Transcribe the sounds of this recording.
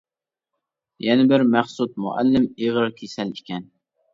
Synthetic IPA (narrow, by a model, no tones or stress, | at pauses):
jɛnɪbɪɾmæχsut̪̚mṵʔæ̰lːɪmeʁɨɾkʲʰesɛlikʲʰɛn